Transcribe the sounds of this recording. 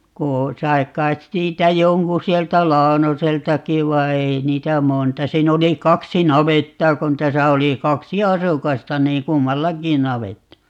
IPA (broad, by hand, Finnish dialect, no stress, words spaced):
ko sɑi̯ kˑɑit siːtæ joŋku sieltæ lɑonoseltɑki ʋɑi ei niːtæ montɑ siːn oli kɑksi nɑʋetːɑː kon tæsæ oli kɑksi ɑsukɑstɑ niːŋ kumːɑlːɑki nɑʋetːɑ